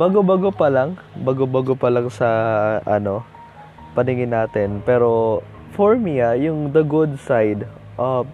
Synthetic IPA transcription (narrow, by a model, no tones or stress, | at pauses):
baːɡobaɡopɐlaŋ | baɡobaɡopɐlɐŋsɐʔɐ̰no̞ | pɐnɪŋɪnːaːt̪ɪnpɛːɾo̞ | foɹmiajʊŋd̪ɐɡʊd̪̚sajd̪ | ʔɐ